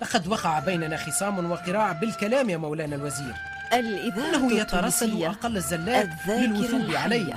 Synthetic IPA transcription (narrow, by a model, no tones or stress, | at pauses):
lɑqɑd̪wɑqɑʕabajnanaxəsˤɑːmnwɑqɨɾɑːʕabɪlkælæːmjæːmawlæːnælwæziːɾ | ʔɪnːæhʊjat̪ɑɾˤɑsːalʔɑqɑlːəzːælːælɪlwʊʒuːbʕalæjh